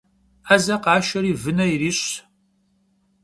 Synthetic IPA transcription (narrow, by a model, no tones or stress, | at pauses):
ɐzɐqɑːʃɐɾiːvɨnɐiriːɕ